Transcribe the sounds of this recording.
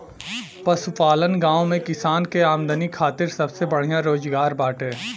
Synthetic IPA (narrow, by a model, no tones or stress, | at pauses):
pɐsʊpaːlənɡãːõmẽkɪsaːnkeaːmd̪ənikʰaːt̪ɪɾsɐbsebɐɽ̤ijãɾoːzɡaːɾbaːʈẽː